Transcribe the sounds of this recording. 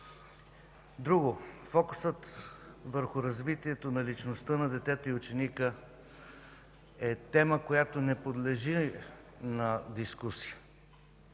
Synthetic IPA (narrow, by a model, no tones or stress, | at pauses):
d̪ɾuɡofɔkʊsət̪vəɾxʊɾɐzvit̪iɛt̪onɐlit͡ʃnost̪ənɐd̪ɛt̪ɛt̪oiʊt͡ʃɛnikə | ɛt̪ɛməkojat̪onɛpod̪lɛʒi | nɐd̪iskusijə